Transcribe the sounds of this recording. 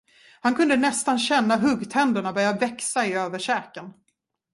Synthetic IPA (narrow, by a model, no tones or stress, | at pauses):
hankʰɵnd̪ənɛst̪anɕɛnːaɦɵɡt̪ʰɛnd̪əɳabœɾjavɛksaɪøːvəʂɛːkən